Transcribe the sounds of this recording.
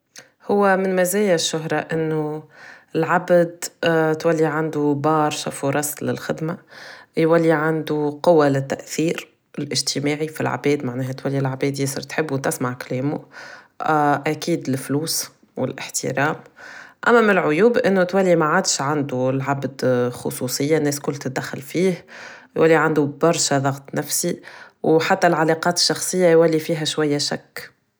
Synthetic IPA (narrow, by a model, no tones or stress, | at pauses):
hʊwːæmɪnmæzæːjaʃːʊɦɾˤɑʔɪnːʊɪlʕabd̪t̪walːiʕand̪ubɑːɾˤʃafuɾˤɑslɪlxɪd̪majwalːiʕand̪uqʊwːalɪt̪ːa̰ʔθiːɾ | ɪlʔɪʒt̪ʰɪmaːʕifḭlʕa̰bɛːd̪maʕnɛːɦæt̪walːilʕbɛːd̪jɪsˤə̰ɾt̪ħɪbːut̪ɪsmaʕklɛːmu | ʔækiːd̪ɪfluːs | wɪ̰lʔɪ̰ħt̪ḭɾɑːmʔæmːæmɪlʕʊjuːbʔɪnːʊt̪wælːimaʕaːd̪ʃʕand̪ulʕabd̪xʊ̰sˤusˤəjːanːɛːskʊlːt̪ɪt̪d̪æxːælfiːh | jwʔælːiʕand̪ubɑɾˤʃaðˤɑɣt̪ˤnæfsiwħat̪ːælʕalɑqɑːt̪ɪ̥ʃːɑxsˤɨjːajwælːifiːɦæʃwajːæʃækː